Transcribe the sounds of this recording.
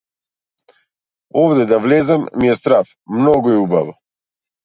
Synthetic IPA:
ɔvd̪ɛd̪avlɛzamːiɛst̪ɾaf | mnɔɡɔɛubava

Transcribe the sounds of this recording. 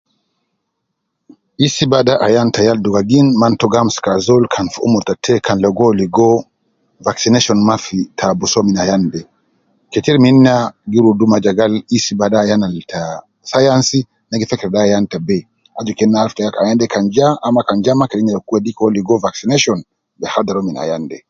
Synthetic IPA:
isibaɗaʔajantajalduɡaɡinmantɔɡamskazɔlkʰanfuṵmɔɾtatʰɛkʰanlɔɡɔliɡɔ | vaksinɛʃɔnmafitʰabusɔminajandɛ | kɛtiɾminːaɡiɾudumad͡ʒaɡalisibaɗajanaltʰa | sajansi | naɡifɛkɛɾɗajantabɛ | ʔad͡ʒɔkɛnːaalftajakajandɛkand͡ʒaʔːmakand͡ʒamakɛɗiɲajɔkuɛɗikɔliɡɔvaksinɛʃɔn | bɛhadaɾɔmina̰jandɛ

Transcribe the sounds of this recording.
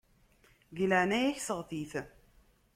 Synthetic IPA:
ɡələʕnæjæçsəʁθiθ

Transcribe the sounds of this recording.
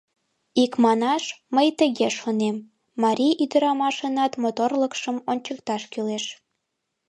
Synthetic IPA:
ikmɑnɑʃməjt̪əɣeʃonemː | ɑɾʲiʔyd̪əɾɑmɑʃənɑt̪mot̪orləkʃəmonʲt͡ɕəkt̪ɑʃkyleʃ

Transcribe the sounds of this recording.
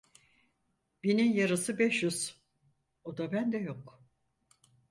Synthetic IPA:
b̥ininjaɾɯsɯbɛʃjyz̥ | od̪abænd̪ɛjo̞k

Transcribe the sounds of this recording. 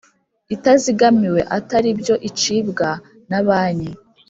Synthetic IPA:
itaziɡamiwe̞ʔataɾibjo̞ʔit͡ʃibɡa | naβaːni

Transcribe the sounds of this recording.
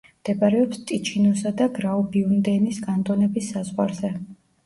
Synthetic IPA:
md̪̥ɛbaɾɛɔpst̪ʼit͡ʃʰinɔsad̪aɡɾaɔbiund̪ɛnisɡant̪ʼɔnɛbisːazʁwaɾzɛ

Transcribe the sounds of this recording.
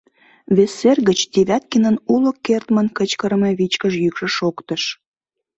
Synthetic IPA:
βesːerɣət͡ɕd̪eβʲæt̪̚kinənuləkːert̪mənkət͡ɕkəɾəmeβit͡ɕkəʃjykʃə̆ʃokt̪əʃ

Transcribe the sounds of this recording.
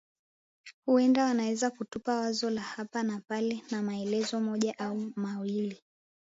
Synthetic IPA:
huɛndawanawɛzakutupawazɔlahapanapalɛnamaɛlɛzɔmɔʄaʔaumawili

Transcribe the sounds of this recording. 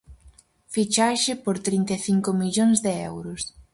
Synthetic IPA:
fit͡ʃaʃɪpoɾt̪ɾint̪eθiŋkomiʎoŋzðeɛwɾʊs

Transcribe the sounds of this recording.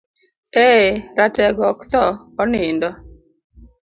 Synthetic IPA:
eɾatɛɡɔkt̪ɔː | nɪndɔ

